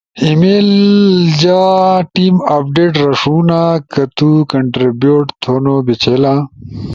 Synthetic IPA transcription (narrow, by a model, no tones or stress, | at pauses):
imeːld͡ʑaːʈiːmap̚ɖeːʈɾɐʂuːnakɐt̪ukɐɳʈɾibjoːʈt̪ʰoːnobit͡ɕʰeːlã